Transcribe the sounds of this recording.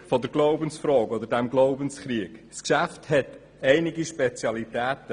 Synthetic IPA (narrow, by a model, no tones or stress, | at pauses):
fɔdəɾɡloʊbənsfɾɔːkɔd̪əɾdæmɡloʊbənsχɾiəɡ̥skʃæfthɛt̪ | ɛɪnɪɡiʃpet͡sjɑlit̪æːtə